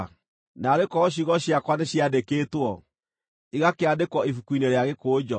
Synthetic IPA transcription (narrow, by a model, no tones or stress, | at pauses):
naɾekɔɕ̬iɣɔɕjakwaneɕjadekeːtwɔ | iɣakeadekwɔifukwineɾeaɣekoːd͡ʑɔ